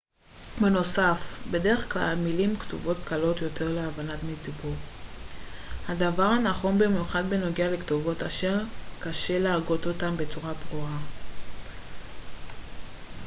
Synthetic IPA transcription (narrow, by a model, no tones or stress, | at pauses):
beno̞safbe̞de̞ʁe̞χkla̰lmilimktṵvo̞tkalo̞tjo̞te̞ʁleavanatmitibuʁ | hadavaʁanaχo̞nbemjuχadbe̞no̞ɡeale̞ktovo̞taʃe̞ʁkaʃe̞leaɡo̞t̪o̞tambe̞t͡suʁabʁua